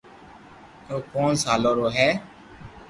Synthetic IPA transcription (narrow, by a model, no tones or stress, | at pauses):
oːkoːnsaːloːɾoːɦɛː